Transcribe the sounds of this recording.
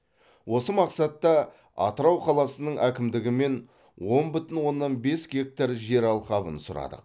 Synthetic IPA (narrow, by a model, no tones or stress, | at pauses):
wo̞səmɑqsɑt̪ːɑ | ɑ̰t̪əɾɑwqʰɑlˠɑsənəɴʔækʲɪmd̪ɪɡʲɪme̞n | wo̞nbʏt̪ɪnwo̞nːɑnbe̞sɡʲe̞k̚t̪aɾʒe̞ɾɑlˠqɑbə̰nsʊɾɑ̰d̪ə̰q